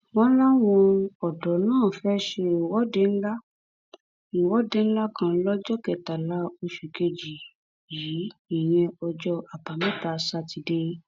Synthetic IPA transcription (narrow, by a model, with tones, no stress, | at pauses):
wɔ̃˦la˦w̃ɔ̃˧ɔ˨dɔ˨˦nãː˦˨fɛ˦ʃe˧˨wɔ˦de˦n̩˦la˦ | u˨wɔ˦de˦n̩˦la˦kã˧˦lɔ˦d͡ʒɔ˦kɛ˨ta˨la˨˦o˧ʃu˨ke˧d͡ʒi˨ | jiː˨˦i˨j̃ɛ̃˧ɔ˧d͡ʒɔ˧ʔa˨pa˨mɛ̃˦ta˨˦sa˧ti˧de˧˦